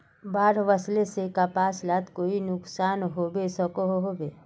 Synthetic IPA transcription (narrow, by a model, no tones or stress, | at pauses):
baːɾʋəslesekapaːslaːt̪koːinʊksaːnɦoːbesɔkoɦɦobeː